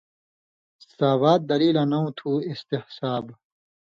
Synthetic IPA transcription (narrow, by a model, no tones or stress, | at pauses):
saːwaːt̪̚d̪ɐɾiːlɐnɐũt̪ʰuːist̪ehsaːb